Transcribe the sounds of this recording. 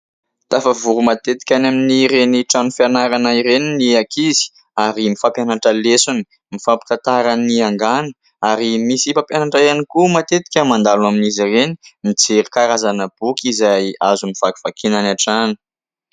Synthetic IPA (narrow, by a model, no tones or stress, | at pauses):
t̪afavuɾumat̪et̪i̥kʲanaminiɾeniʈ͡ʂanufjanaɾanaiɾeniniakizi̥ | aɾimifapjanaʈ͡ʂəlesuni̥ | mifapi̥t̪at̪aɾaniaŋɡanə | aɾimisifapjanaʈ͡ʂaanikumat̪et̪i̥kʲəmand̪alaminizireni̥mid͡zeɾikaɾazanəb̥ukizajazumiv̥aki̥v̥akʰinanaʈ͡ʂanu̥